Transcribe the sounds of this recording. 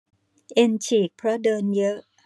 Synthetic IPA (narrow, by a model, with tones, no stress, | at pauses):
ʔe˧nt͡ɕʰiː˨˩k̚pʰɾɔ˦˥dɤː˧njɤ˦˥ʔ